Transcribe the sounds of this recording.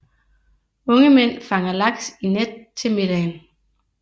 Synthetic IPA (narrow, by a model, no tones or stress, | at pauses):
ɔ̽ŋəmen̰fɑ̈ŋɐlɑ̈ɡ̥sined̥̚t͡sʰe̝med̥ɛn